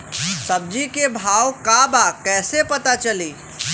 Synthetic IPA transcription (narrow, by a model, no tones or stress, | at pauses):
səb̚d͡ʒikebʱaːwkabakɛːsepət̪at͡ʃəli